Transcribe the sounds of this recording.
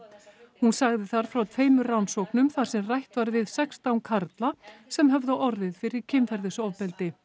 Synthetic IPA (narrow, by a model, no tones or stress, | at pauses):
hunsaɣðɪθaɾ̥fɾawt̪ʰveːjmʏransɔknʏmθaɾ̥sɛmrajht̪vaɾvɪðsɛkst̪awŋkʰaɾt̪lasɛmɦœvðaʔɔɾðɪð̥fɪɾɪɾ̥cʰɪmfɛɾðɪsɔvpɛlt̪ɪ